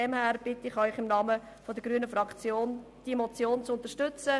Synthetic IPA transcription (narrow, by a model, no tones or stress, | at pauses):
ɛmhæːɾb̥ɪtɪχœʏχɪmnɑmə | fod̪əɡ̥ɾyːənəfrɑkt͡sjoːn | d̥imot͡sjoːnt͡sʊnt̪əɾʃtʏt͡sə